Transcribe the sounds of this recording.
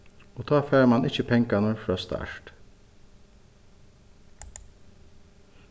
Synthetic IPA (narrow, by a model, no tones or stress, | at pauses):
ɔt̪ʰɑːfɛːɾmanʔɪt͡ʃːəpʰɛŋkanʊɾfɾɑːst̪a̰ɹ̥t̪